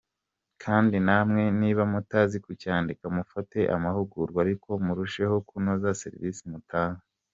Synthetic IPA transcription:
kʰaːndinamŋe̞niːβamutaːzikucaːndikamufate̞ʔa̰mahuɡuɾɡwaɾikʰo̞muɾuʃe̞ho̞kunozase̞̰ɾḭviːsimutʰaːŋa

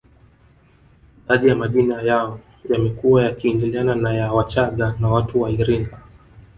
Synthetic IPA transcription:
ðaɗijamaɗinajaɔ | jamɛkuajakiːndiliananajawat͡ʃaɠanawatuwaiɾiŋɡa

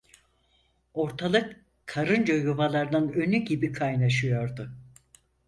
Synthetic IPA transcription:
o̞ɾt̪ʰalˠɯk | kʰːaɾɯnd͡ʒajuvalˠaɾd̪anø̞nyɟibikʰajnaʃɯjo̞ɾd̪ʊ

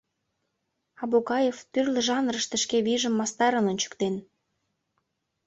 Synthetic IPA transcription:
ɑbukɑjeft̪yrlə̆ʒɑnrəʃt̪ə̆ʃkeβiʒə̆mːɑst̪ɑɾə̆nonʲt͡ɕə̥̆kt̪en

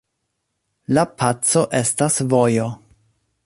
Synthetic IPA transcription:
lapʰat͡so̞ʔe̞stasvojo̞

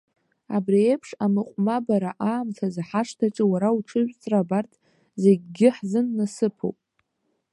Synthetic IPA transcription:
a̰briejpʰʂamɨqʷʼmabaɾaʔaːmtʰazaħaʂtʰaʈ͡ʂʼɨwaɾauʈ͡ʂʰɨʒʷᶣt͡sʼrabartʰ | ze̞ɡʲɡʲɪħzɨnːasɨpʰo̰wpʼ

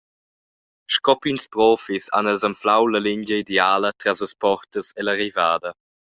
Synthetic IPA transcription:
ʃkɔpinspɾɔfisa̰nɛlzamflawləliɲɟəideaːlətɾasləspɔɾtəseləɾivaːdə

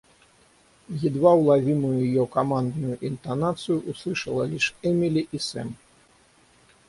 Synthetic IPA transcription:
jid̪vawlˠavʲimujujjɔkamand̪nujuʔint̪anat̪sɨjuʔuslˠɨʂɐlˠɐlʲiʂɛmʲilʲiʔisɛ̰m

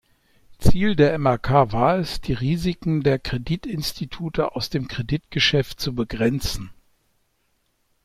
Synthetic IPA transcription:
t͡siːldeːɐɛmɛɐkʰaːvaːɐɛsd̥iːʁiːzɪkŋ̩deːɐkʁ̥editɪnstʰitʰuːtəa̰ʊsd̥eːmkʁ̥editɡ̥əʃɛftt͡subəɡʁɛnt͡sn̩

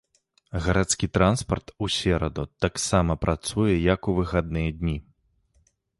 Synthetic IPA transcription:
ɣɐɾat̪skʲit̪ɾanspɐrt̪usʲɛɾɐd̪ɔt̪aksamɐpɾʔat̪sujɛjɐkuvɨxad̪̚nɨjɛd̪ʲnʲi

